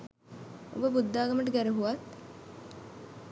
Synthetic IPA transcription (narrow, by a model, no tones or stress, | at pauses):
o̰bəbud̪ːaːɡaməʈ̬əɡæɾuɦuʋat̪